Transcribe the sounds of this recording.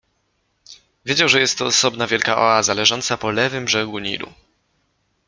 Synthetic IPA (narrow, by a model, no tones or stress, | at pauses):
vʲjed͡ʑawʐɛjɛst̪ːɔːsɔbnavʲjɛlkaʔɔ̰azalɛʐɔnt̪sapɔlɛvɘmʐɛɡuɲḭɾṵ